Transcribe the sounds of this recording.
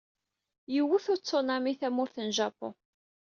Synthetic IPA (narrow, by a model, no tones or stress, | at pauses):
jəwːuθʊɾt͡sːonɑmiθæmʊɾθənʒɑpːo̰